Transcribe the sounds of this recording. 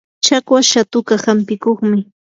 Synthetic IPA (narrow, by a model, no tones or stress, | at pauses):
t͡ʃakwaʃat̪ʊkahampɪkoχmɪ